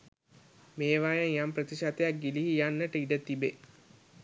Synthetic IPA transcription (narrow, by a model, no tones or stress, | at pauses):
meːʋajəjamprət̪iʃat̪ejak̚ɡiliɦijanːəʈəiɖət̪ibe